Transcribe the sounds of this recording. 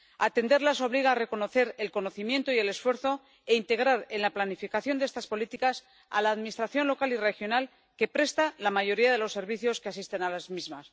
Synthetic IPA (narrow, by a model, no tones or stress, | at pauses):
at̪e̞nd̪eɾlaso̞βliɣ̞aːre̞ko̞no̞θe̞ɾe̞lko̞no̞θimje̞nt̪oie̞le̞sfwe̞ɾθo̞ | e̞int̪e̞ɣ̞ɾaɾe̞nlaplanifikaθjo̞nd̪eest̪aspo̞lit̪ikas | a̰laːðminist̪ɾaθjo̞nlo̞kalire̞xjo̞nal | ke̞pɾe̞st̪alamaʝo̞ɾiaðe̞lo̞sːe̞ɾβiθjo̞skeasist̪e̞nalazmizmas